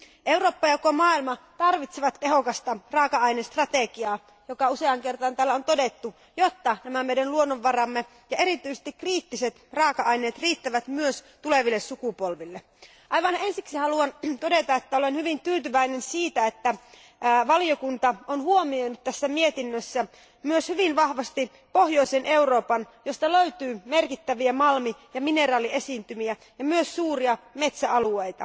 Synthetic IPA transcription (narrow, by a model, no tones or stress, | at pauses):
ʔe̞wroːpːɑjɑkomɑːilmɑt̪ɑrʋit̪seʋɑt̪teɦokɑst̪ɑrɑːkɑɑjnest̪rɑt̪ekiɑː | jokɑuseɑŋkert̪ɑnt̪æːlːæont̪odet̪ːu | jot̪ːɑnæmæmejdænluonːoʋːɑrɑmːe | jɑeɾit̪yjsest̪ikriːt̪ːiset̪rɑːkɑʔɑjne̞ːt̪riːt̪ːæʋæt̪myøst̪uleʋilːessukupolʋilːe | ʔɑjʋɑne̞nsiksihɑluɑnt̪odet̪ɑet̪ːæolenhyʋint̪yːt̪yʋæinensiːt̪æet̪ːæ | ʋɑliokunt̪ɑonhuomiojnut̪t̪æsːæmiet̪inːøsːæ | myøshyʋinʋɑhʋɑst̪i | pohjoisenʔe̞uro̞ːpɑnjost̪ɑløyt̪yːmerkit̪ːæʋiæmɑlmijɑminerɑːliesiːnt̪ymiæ | jɑmyøssuːriɑme̞t̪sæɑluejt̪ɑ̰